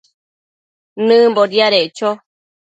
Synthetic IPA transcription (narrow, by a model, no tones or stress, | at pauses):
nɨ̃mboɾjaɾeʔt͡ʃo